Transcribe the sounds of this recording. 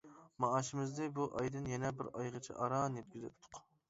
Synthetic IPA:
mɑɑʃɪmɪzd̪ɨbuʔɑjd̪ɨnjɛnɛbɪɾɑjʁət͡ʃʰḭʔɑɾɑnɛp̚ɡʲyzɛ̰t̪ʰːʊ̥q

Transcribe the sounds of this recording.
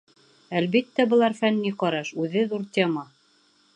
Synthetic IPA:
ælβit̪ːæbɤ̆lˠɑɾfænːiqɑɾɑʃʉðɘðuɾt̪ʲemɑ

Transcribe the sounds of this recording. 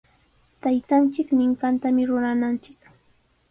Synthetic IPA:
t̪ajt̪ant͡ʃɪknɪŋkant̪amɪɾʊɾanant͡ʃɪ̥k

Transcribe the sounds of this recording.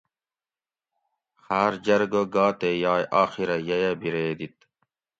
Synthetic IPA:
xaːɾd͡ʑɐɾɡoɡaːt̪ejɑːjʔaːxiɾɐjɐjɐbiɾeːd̪it̪̚

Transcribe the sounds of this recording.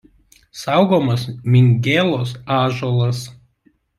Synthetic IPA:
sɑˑʊɡoːmɐsmʲɪŋʲɡʲeːlˠoːsɑːʒoːlˠɐs

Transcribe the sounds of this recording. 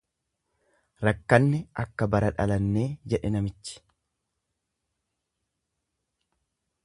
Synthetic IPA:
ɾɐkːɐnːɛʔɐkːɐbɐɾɐᶑɐ̰lɐnːe̞ːd͡ʒɛᶑɛnɐmɪt͡ʃːɪ̥

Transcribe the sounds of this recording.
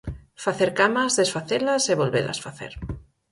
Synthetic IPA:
faθeɾkamazðesfaθelɐseβolβḛlɐ̰sfaθḛɾ

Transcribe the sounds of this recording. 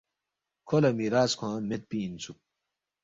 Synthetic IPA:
kʰolɐmiɾaːskʰãmet̪̚piːnt͡sʰuk̚

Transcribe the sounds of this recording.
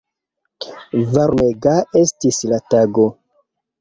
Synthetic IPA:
vaɾmeɡae̞stislataɡo̞

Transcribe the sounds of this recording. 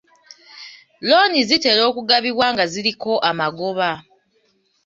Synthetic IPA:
lo̞nizite̞lo̞ːkuɡaβiβwaːŋɡaziɾiko̞ʔamaɡo̞βa

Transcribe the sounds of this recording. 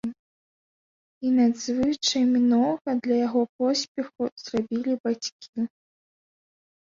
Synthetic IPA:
inɐd̪zvɨt͡ʂɐjmʲnɔɣɐd̪lʲɐjaɣɔpɔsʲpʲɛxuz̥rabʲilʲibat͡sʲkʲʰi

